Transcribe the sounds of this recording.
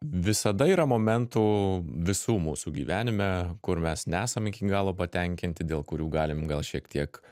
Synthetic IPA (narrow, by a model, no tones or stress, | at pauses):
ʋʲɪsɐd̪ɐiːɾɐmoːmʲɛnt̪uːʋʲɪsuːmuːsuɡʲḭʋʲæːnʲɪmʲɛkʊɾmʲɛsnʲɛæːsɐmɪkʲiːɡɑːlˠoːpɐt̪ʲɛŋʲkʲɪnʲt̪ʲɪd̪ʲeːlˠkʊɾʲuːɡɑːlʲɪmɡɐlˠʃʲiɛkt̪ʰʲiɛk